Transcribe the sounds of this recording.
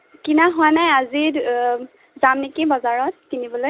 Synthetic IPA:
kinaɦɔjnajazi | zamnekibɔzaɹɔt̚kinibɔloj

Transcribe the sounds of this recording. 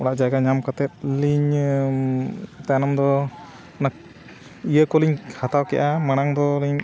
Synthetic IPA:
ɔɽaʔd͡ʒaɡaɲamkat̪ɛt̪̚liɲ | t̪anamd̪ɔ | na | ijəkɔliɲkʰhʰat̪awkɛʔamaɽ̃aŋd̪ɔliɲ

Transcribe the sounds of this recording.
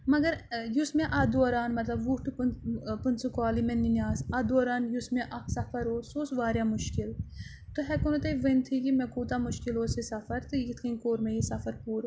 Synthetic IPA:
mɐɡɐɾjusmeʔad̪oːɾaːnmɐt̪lɐbʋuʈɨppɨnsukaːlimenːinjaːsad̪oːɾaːnjusmẽʔɐksɐfʰɐɾoːsoːsʋaːɾjamʊʃkil | t̪ɨɦɛkunut̪ɐʋɐnt̪ʰikimekuːt̪amuʃkiloːsisɐfɐɾt̪ɨjit̪ʰinkoːɾmẽjisɐfɐɾpuːɾ

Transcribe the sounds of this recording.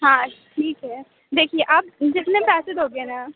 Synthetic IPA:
ɦãːʈʰiːkɦɛː | d̪eːkʰieʔaːp̚d͡ʒɪt̪nẽpɛːsɪd̪ɦoːɡenaː

